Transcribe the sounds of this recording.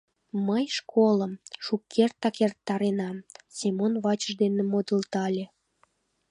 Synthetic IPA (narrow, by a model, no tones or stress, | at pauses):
məjʃkʰoləmʃukʰːert̪ːɑkert̪ːɑɾenɑmsʲemonβɑt͡ɕə̆ʒd̪enĕmod̪əlt̪ɑlʲe